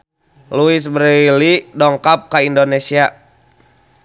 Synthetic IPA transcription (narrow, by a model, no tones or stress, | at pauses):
luis̬bəɾilidɔŋkap̚kaindonesia